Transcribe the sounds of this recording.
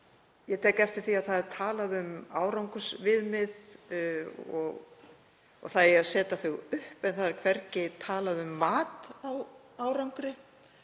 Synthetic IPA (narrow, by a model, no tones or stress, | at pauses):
jɛt̪ʰɛːkɛft̪ɪɾ̥θiaðθaðɾt̪ʰaːlaðʏmaːwɾawŋkʏsvɪðmɪð | ɔ̰ɣ | ɔ̰ɣθaðɛaðsɛːt̪aθʏɣʏhpɛnθaðɛɾkʰvɛɾcɪt̪ʰaːlaðʏmːaːt̪aw | aːwɾawŋkɾɪ